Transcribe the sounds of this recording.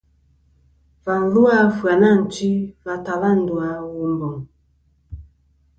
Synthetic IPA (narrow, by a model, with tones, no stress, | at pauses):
va˨n˦lu˦a˦fwa˨na˦˨n̩˨t͡ʃi˦va˨ta˨la˦n̩˨du˨a˨˦wu˨mbɔ˨ŋ